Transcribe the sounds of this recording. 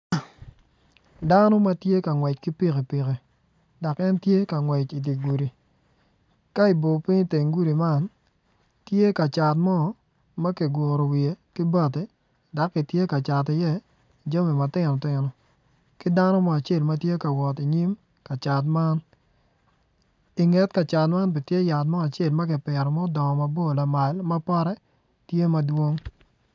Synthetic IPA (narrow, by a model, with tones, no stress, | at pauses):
da˦nɔ˦ma˦tje˦ka˨ŋwɛ˨t͡ʃkɪ˦pi˦ke˨pɪ˨ke˨ | da˨kɛ˦ntje˦ka˨ŋwɛ˨t͡ʃi˨t̬i˨ɡu˨ɾi˨ | ka˦i˨bo˨pɪ˦ɲi˦te˨ŋɡu˦ɾi˨ma˦n | tje˦ka˨t͡ʃa˨t̬mɔ˦˨ | mɐ˦ke˨ɡwo˨ɾo˨wie˨kɪ˦ba˦˨t̬e˨ | da˨˦kːɪ˨tje˦ka˨t͡ʃa˨t̬ɪ˨jɛ˦˨ | d͡ʒa˦me˨ma˨tɪ˦nɔ˨tɪ˨nɔ˨ | kɪ˦da˦nɔ˦mɔ˦a˨t͡ʃe˦˨lmɐ˦tje˦ka˨wɔ˨ti˨ɲi˦m | ka˨t͡ʃa˨t̬ma˦n | ɪ˨ŋɛ˦t̚ka˨t͡ʃa˨tma˦np̬ɪ˨tje˦ja˨tmɔ˦a˨t͡ʃe˦˨lmɐ˦kɪ˨pɛ˨ɾɔ˨mɔ˦dɔ˨ɔ˨ma˨bo˦˨la˨ma˨lmɐ˦pa˦ɾɛ˦ | tje˦mɐ˦dwo˦ŋ